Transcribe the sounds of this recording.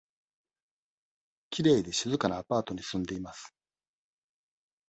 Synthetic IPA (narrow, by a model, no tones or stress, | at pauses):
kʲiɾe̞ːd̪e̞ɕizɨkanaːpaːt̪o̞ɲ̟isɨ̃nd̪e̞imasɨ̥